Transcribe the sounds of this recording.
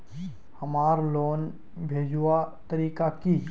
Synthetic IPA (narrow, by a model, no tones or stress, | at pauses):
hɐmaːɾloːn | bʱeːd͡ʒuwat̪əɾiːkaki